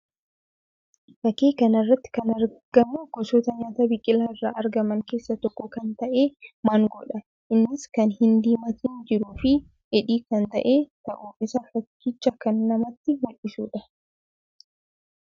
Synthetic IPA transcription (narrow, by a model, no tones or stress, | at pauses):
fɐkeːkɐnɐrːɐt̪ːɪ̥kɐnɐɾɡ̥ɐmuɡ̥ɔsoːt̪ɐɲaːt̪ɐbɪkʼːɪlaɪrːa̰ːʔɐɾɡɐmɐŋke̞ːsːɐt̪ɔkːɔkɐnt̪ɐʔe̞ːmaːŋɡɔᶑɐ | ʔɪnːɪskɐnhɪnd̪iːmɐt̪ɪnd͡ʒɪɾuːfɪ | ʔɛᶑiːkɐnt̪ɐ̰ʔe̞ːt̪ɐʔuːfɪsɐfɐkːɪt͡ʃːɐkɐnːɐmɐt̪ːɪwɔʔɪsuːᶑɐ